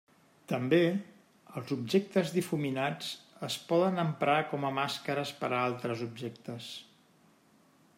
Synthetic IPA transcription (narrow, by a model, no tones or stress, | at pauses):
t̪əmbe | əlˠzubʒek̚t̪əzðifuminad͡zəspɔðənəmpɾakɔməmaskəɾəspəɾalˠt̪ɾəzubʒekt̪əs